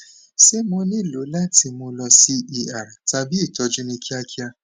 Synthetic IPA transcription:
se˦mõ˧nĩ˦˨lo˨˦la˦ti˧mõ˧lɔ˧si˦i˧a˨ɾa˨ta˧bi˦i˦˨tɔ˧˦d͡ʒu˦nĩ˧kʰi˦a˧kʰi˦a˧

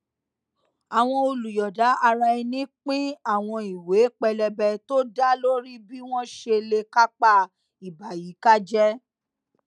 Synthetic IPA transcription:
a˨w̃ɔ̃˧o˧lu˨jɔ˨da˨˦a˧ɾa˧i˧nĩ˨˦k͡pĩ˦a˦˨w̃ɔ̃˧i˨we˨˦k͡pɛ˧lɛ˧bɛ˧to˦da˦lo˦ɾi˦bi˦w̃ɔ̃˦ʃe˧le˧ka˦k͡pa˦˨ | i˨ba˨ji˨˦ka˦d͡ʒɛ˦

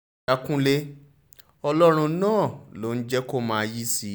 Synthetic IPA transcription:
a˧kũ˦le˦ | ɔ˧lɔ˦ɾ̃ũ˧˦nãː˦˨lo˨˦n̩˦d͡ʒɛ˦ko˦˨mãː˨˦ji˦si˨˦

